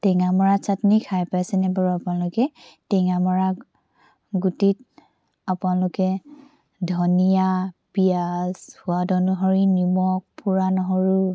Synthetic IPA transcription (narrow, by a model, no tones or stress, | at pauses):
tɛŋamɔɹasatnikʰajpajsɛnɛbaɹuapʊnalʊkɛtɛŋamɔɹa | ɡutit̚ | apʊnalʊkɛ | dʱɔnijapijashʊadɔnuɦɔɹinimɔk̚pʰuɹanɔɦɔɹu